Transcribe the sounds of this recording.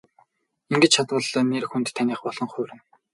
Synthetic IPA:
iŋɡɘ̆t͡ɕt͡ɕʰat̪wə̆ɮnerxunt̪tʰːaniːχpɔɮ̥ɞ̆ŋχʊːɾɘ̆n

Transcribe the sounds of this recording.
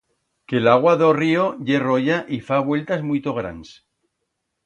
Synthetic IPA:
kelaɣ̞waðorioʝe̞roʝaʔifaβwe̞lt̪azmujt̪o̞ɣɾa̰ns

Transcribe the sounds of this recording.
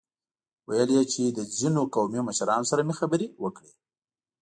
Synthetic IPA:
wajəljet͡ʃed̪əzinokawmioməʃaɾɑnosaɾamexabəɾiwəkɽi

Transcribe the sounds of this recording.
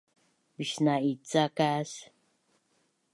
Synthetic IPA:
piʃnait͡sakas

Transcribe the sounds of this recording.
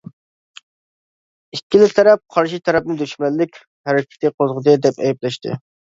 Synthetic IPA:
ikʲːilɪt̪ʰɛɾɛp̚qʰɑɾʃ̬it̪ʰɛɾɛp̚nɪd̪yʃmɛlːɪkʲ | hæɾɪkʲɪ̥t̪ʰɪqʰozʁəd̪ɨd̪ɛpɛ̰jɛplɛʃt̪ʰɪ̰

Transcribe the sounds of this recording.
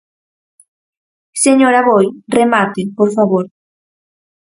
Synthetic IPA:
seɲoɾaβojremat̪epoɾfaβoɾ

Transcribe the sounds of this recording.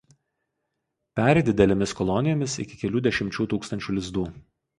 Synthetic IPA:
pʲæːɾʲɛd̪ʲɪd̪ʲɛlʲɛmʲɪskɔlˠɔnʲɪjoːmʲɪsɪ̰kʲɪ̥kʲɛlʲuːd̪ʲɛʃʲɪmʲt͡ʃʲuːt̪uːkst̪ɐnʲt͡ʃʲuːlʲɪzd̪uː

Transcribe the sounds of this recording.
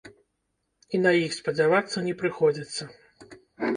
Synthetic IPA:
inɐjixspɐd͡zʲavat̪sːɐnʲɛpɾɨxɔd͡zʲit̪sːɐ

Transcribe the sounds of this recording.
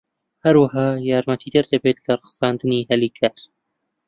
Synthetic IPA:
hɐɾwaɦɑːjɑːɾmɐt̪ʰiːd̪ɐɾd̪ɐbeːt̪lɐɾˤɨɣsɑːnd̪ɨniːhɐliːkʰɐɾ

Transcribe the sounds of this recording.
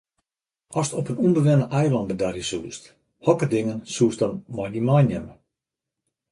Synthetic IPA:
ɔstɔpənumbəʋɪnəʔɛjlˠɑndədarjəsuːst | hɔkərdɪŋənsuːsdɔnmɔjimajnɛmə

